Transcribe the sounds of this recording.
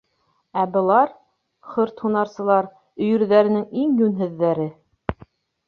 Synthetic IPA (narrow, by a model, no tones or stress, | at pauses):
æbɤ̆lˠɑɾ | χɵɾt̪hunɑɾsɤ̆lˠɑɾ | ɵ̆jɵ̆ɾðæɾɘ̆nɘŋiŋjʉnɦɘ̆ðːæɾɘ